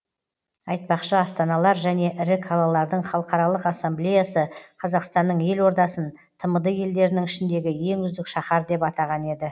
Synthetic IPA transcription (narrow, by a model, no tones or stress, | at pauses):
ɑjt̪̚pɑqʃəɑst̪ɑnɑlˠɑɾʒæne̞ʔɪɾɪkʰɑlˠɑlˠɑɾd̪əɴχɑlˠəqɑɾɑlˠəqɑsːemblejasəqʰɑzɑqst̪ɑnːəɴje̞lwo̞ɾd̪ɑsən | t̪ʰəməd̪əje̞ld̪e̞ɾɪnɪŋɪʃɪnd̪e̞ɡʲɪje̞ŋʏzd̪ɪkʃɑχɑɾd̪e̞pɑt̪ɑʁɑne̞d̪ɪ